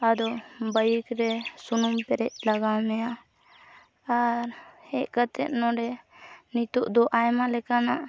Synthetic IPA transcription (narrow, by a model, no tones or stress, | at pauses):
ad̪ɔbəjikɾɛsunumpɛɾɛc̚laɡawmɛja | aɾhɛʔ̚kət̪ɛt̪̚nɔɾɛnit̪uʔd̪ɔʔajmalɛkanaʔ